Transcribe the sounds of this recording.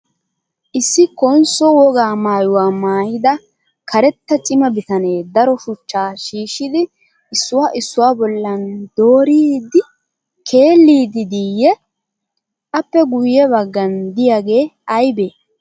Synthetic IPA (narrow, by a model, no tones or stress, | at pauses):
ʔɪsːɪkɔnsɔwɔɡaːmaːjʊwaːmaːjɪd̪ɐ | kʰɐɾɛt̪ːɐt͡ʃʼɪmɐbɪt̪ɐne̞ːd̪ɐɾɔʃʊt͡ʃːaːʃiːʃɪd̪ɪ | ʔɪsːʊwaːʔɪsːʊwaːbɔlːɐnd̪̥o̞ːɾiːd̪ɪ | kʰe̞ːlːiːd̪ɪd̪ijɛ | ʔɐpːɛɡʊjːɛbɐɡːɐnd̪ɪjaɡe̞ːɐjbeː